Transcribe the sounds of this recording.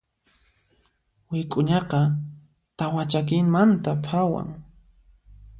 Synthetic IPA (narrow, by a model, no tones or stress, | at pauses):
wɪkʼʊɲɑqɑ | t̪awat͡ʃakɪŋmant̪apʰawa̰ŋ